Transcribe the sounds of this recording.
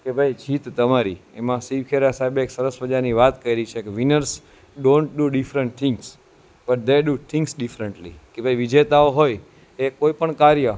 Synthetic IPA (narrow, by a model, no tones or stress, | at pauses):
kebʱajd͡ʒit̪t̪ːəmaɾiemãsiʋkʰeɾasaɦebeksəɾəsbəd͡ʒaɾniʋat̪kəiɾəit͡ʃʰekeʋinəɾs | ɖõɳʈɖuɖifɾə̃ɳʈ̚t̪ʰɪ̃ŋɡs | bəʈ̚d̪eɖut̪ʰɪ̃ŋɡsɖifɾəɳʈlḭkebʱajʋid͡ʒet̪aoɦoj | ekoipəɳkaɾjə